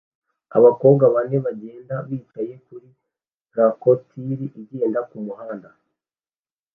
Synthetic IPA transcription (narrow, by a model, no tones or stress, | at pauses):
a̰βako̞βɡaβane̞βaɟe̞ːndaβiːtaje̞kuɾi | ɾakotʰiɾiʔiɟe̞ːndakumuɦaːnda